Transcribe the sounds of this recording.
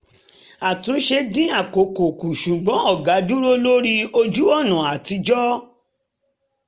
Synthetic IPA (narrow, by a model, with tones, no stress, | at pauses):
a˨tũ˨˦ʃe˧dĩ˦a˦˨ko˨ko˨ku˨ʃu˨ɡ͡bɔ̃˨˦ɔ˦˨ɡa˨˦du˦ɾo˦lo˦ɾi˦o˧d͡ʒu˦ɔ˦˨nã˨a˨ti˨˧d͡ʒɔ˦